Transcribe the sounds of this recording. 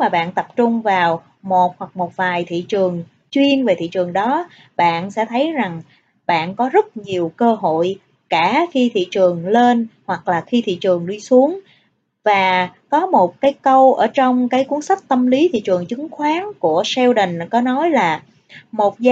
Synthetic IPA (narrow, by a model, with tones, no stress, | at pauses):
maː˨˩ɓa̰ː˧˨nt̪ə˨˩p̚t͡ɕʊ˧ŋ͡mvaː˨˩w | mo˨˩t̚hwa˨˩k̚mo˨˩t̚vaː˨˩jt̪ʰḭ˧˨t͡ɕɨ˨˩əŋ | t͡ɕwi˧ənve˨˩t̪ʰḭ˧˨t͡ɕɨ˨˩əŋɗɔ˨˦ | ɓa̰ː˧˨nsɛ̰˧˥t̪ʰə˨˦jza˨˩ŋ | ɓa̰ː˧˨nkɔ˨˦zə˦˥t̚ɲi˨˩əwkəː˧ɦo̰˧˨j | kaː˧˩xi˧t̪ʰḭ˧˨t͡ɕɨ˨˩əŋle˧nhwa˨˩k̚laː˨˩xi˧t̪ʰḭ˧˨t͡ɕɨ˨˩əŋɗi˧su˨˦əŋ | vaː˨˩kɔ˨˦mo˨˩t̚kaː˨˦jkə˧wʔəː˧˩t͡ɕɔ˧wŋ͡mkaː˨˦jku˨˦ənsa˦˥k̚t̪ə˧mli˨˦t̪ʰḭ˧˨t͡ɕɨ˨˩əŋt͡ɕɨ˨˦ŋxwaː˨˦nku˧˩əsɛ˧wɗi˨˩ŋ̟kɔ˨˦nɔ˨˦jlaː˨˩ | mo˨˩t̚za˧